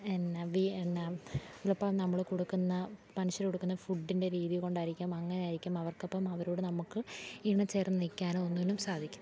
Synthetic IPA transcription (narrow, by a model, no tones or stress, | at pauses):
enːɐʋienːɐilɐpːɐnɐmːɐɭkoɽukːunːɐpɐniɕɐɾkoɽukːunːɐfuɖːinde̞ɾiːðijko̞ɳɖaːjiɾikʲːumɐŋːɐnejaːjiɾikʲːumɐʋɐrkːɐpːɐmɐʋɐɾoːɽenɐmukːɨiɳɐt͡ɕːe̞ːrnnikʲːaːnonːuʋenːumsaːd̪ʱikʲːunː